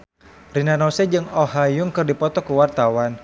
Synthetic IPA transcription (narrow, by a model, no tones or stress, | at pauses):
rinanɔsɛd͡ʒɨŋɔɦajʊŋkɨrdipɔt̪ɔkuwart̪awan